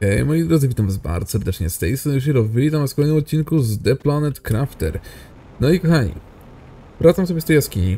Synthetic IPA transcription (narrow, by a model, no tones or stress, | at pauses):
ɛjmɔjed̪ɾɔd̪zɨvit̪amzba̰ɾd̪ɔsɛɾd̪ɛt͡ʂɲɛst̪ɛjsɛzɔ̃uʃ̬iɾɔvvilʲit̪amskɔlɛjnɛmɔt̪̚t͡ɕːinkuzd̪ɛplanɛt̪kɾaft̪ɛ̰ɾ | nɔikɔxaɲḭ | vɾat̪samsɔbʲɛst̪ɛjaskʲiɲḭ